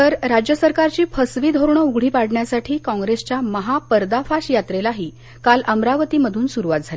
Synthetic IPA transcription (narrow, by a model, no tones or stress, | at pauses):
t̪əɾɾad͡ʑjəsəɾkaɾt͡ɕiːpʰəsʋiːd̪ʱoɾɳəuɡɭ̤iːpaɽɳjasaʈʰiːkɔ̃ŋɡɾest͡ɕjaməɦapəɾd̪afaɕjat̪ɾelaɦiː | kaləmɾaʋət̪iːməd̪ʱuːnsuɾuʋat̪̚d͡zʱali